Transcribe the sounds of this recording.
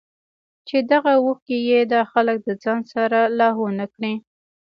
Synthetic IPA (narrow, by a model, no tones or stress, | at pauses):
t͡ʃed̪aɣawuxkejed̪ɑxalək̚d̪əd͡zɑnsaɾalɑɦonakɽi